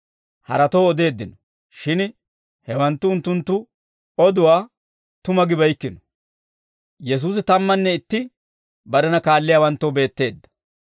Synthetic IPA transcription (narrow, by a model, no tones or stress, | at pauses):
hɐ̰ɾɐt̪ɔːɔd̪e̞ːd̪ːɪnɔ | ʃɪn | hɛwɐnt̪ːʊːʊnt̪ːʊnt̪ːʊ | ɔd̪ʊwaː | t̪ʊmɐɡɪbɐjkːɪnɔ̥ | jɛs̬uːs̬ɪt̪ɐmːɐnːɛɪt̪ːɪ | bɐd̪ɐnɐkaːlːɪjawɐnt̪ːɔwbe̞ːt̪ːe̞ːd̪ːɐ̥